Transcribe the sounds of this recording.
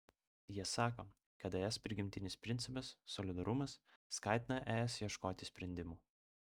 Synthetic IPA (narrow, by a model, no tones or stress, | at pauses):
jiɛsɑːkoː | kɐt̪ɛɛspʲɾʲɪɡʲɪmʲt̪ʲɪnʲɪspʲɾʲɪnt̪sʲɪpɐsːɔlʲɪd̪ɐɾʊmɐsːkɑˑɪt̪ʲɪnɐʔɛːɛsjiɛʃkoːt̪ʲɪsʲpʲɾʲɛnʲd̪ʲɪmuː